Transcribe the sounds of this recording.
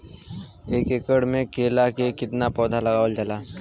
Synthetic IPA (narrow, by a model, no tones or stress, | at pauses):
eːkekəɽmẽkelakekɪt̪napɔːd̪ʱalɐɡaːʋəld͡ʒalaː